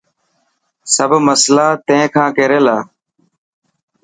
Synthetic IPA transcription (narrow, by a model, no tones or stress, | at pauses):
səbʱməslaːt̪ẽkʰãːkeːɾeːlaː